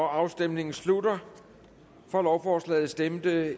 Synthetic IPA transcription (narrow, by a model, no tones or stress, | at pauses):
ɒɑ̈ʊsd̥em̰ne̝ŋn̩sludɐ | fɒ̽lɒʊfɒːslɛ̰ːð̩ˠsd̥emd̥ə